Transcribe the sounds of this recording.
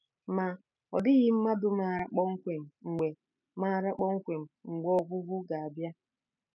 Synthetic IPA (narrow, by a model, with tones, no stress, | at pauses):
ma˨ | ɔ˨dɪ˦ɣɪ˦m̩˦ma˦dʊ˦ma˨ɾa˦k͡pɔ˦ŋ̩˦kʷe˨m̩˨ŋ͡m̩˨ɡ͡be˨ | ma˦˨ɾa˦k͡pɔ˦ŋ̩˦kʷe˨m̩˨ŋ͡m̩˨ɡ͡bɔ˦ɡʷʊ˦ɡʷʊ˦ɡa˨a˨bja˦